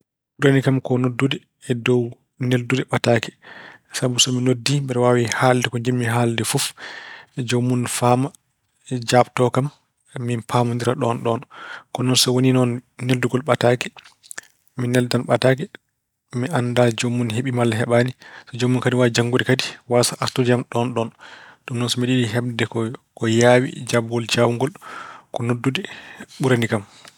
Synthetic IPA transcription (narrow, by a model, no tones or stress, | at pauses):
uɾanikamkɔnodːudɛ | ɛdɔw | neldudɛɓataːkɛ̥sabusɔminodːibɛɾwawihaːldɛkɔɲd͡ʒimːiɦaldɛfuf | d͡ʒomːunfaːma | d͡ʒaːbtɔkamː | inpʰamundiɾaɗɔnɗɔnkɔnɔnsɔwoninɔnːelduɡɔlɓataːkɛ̥ | minːɛldanɓataːkɛ | miʔandad͡ʒomːunheɓimalːaɦɛɓaːnisɔd͡ʒomːunkadiwad͡ʒaŋɡuɗikadiwasaʔaɾtudiamɗɔnɗɔnɗumnɔnsɔmiɗiɗiɦɛb̚dɛkɔkɔjawḭd͡ʒabɡɔld͡ʒawuŋɡɔlkɔnodːudɛɓuɾanikam